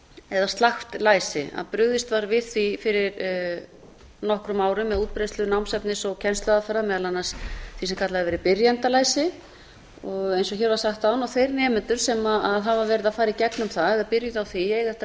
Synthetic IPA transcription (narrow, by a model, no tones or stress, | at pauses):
ɛðast̪laxt̪laːjsɪa̰ðpɾʏɣðɪst̪vaɾvɪð̥θifɪɾɪɾ | nɔhkɾʏmaːwɾʏmːɛðuːt̪̚pɾejst̪lʏnawmsɛpnɪsɔɣcʰɛnst̪œðafɛɾːamɛːðalanːasθisɛmkʰat̪laðɪvɛːɾɪpɪɾjant̪alaːjsɪ | ɔɣejnsɔçɛɾvaɾsaxt̪anawθejɾnɛːmɪnt̪ʏɾ̥sɛmaaðɦavaɾvɛːɾɪðafaːjɾaicɛknʏmθaɛðaðpɪɾjʏðawθiɛːjɣɛht̪a